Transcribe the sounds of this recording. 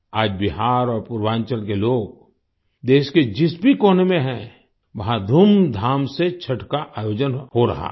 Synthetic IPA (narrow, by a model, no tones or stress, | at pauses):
aːd͡ʒbɪɦaːɾɔːɾpuɾwãːnt͡ʃəlk̬eloːɡ | d̪eːʃked͡ʒɪsbʱikoːnmẽɦɛ̃ | ʋɐɦãd̪ʱumd̪ʱaːmset͡ʃʰɐʈʰkaʔaːjoːd͡ʒənhoɾɐ̰ɦa̰